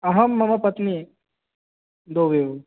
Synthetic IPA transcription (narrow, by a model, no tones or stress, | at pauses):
ɐɦɐmːɐmɐpɐt̪ni | d̪oːʋeːʋ